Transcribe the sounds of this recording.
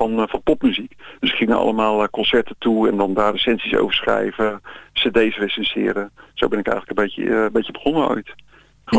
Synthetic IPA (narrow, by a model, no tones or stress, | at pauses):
ɑnfɑnpɔpmyzikd̥øsɪ̥kχɪŋə̰ʔɑ̰lˠəmaːlˠkɔnsɛɹtətuɛndɑndaːresɛnsiso̰wvəɹsχrɛ̰jvəsedejsresɛnsɪ̰ːɾəsowbɛnɪkɛ̰jələkəbejə̰mbejtəbəχɔnəœ̰ɥt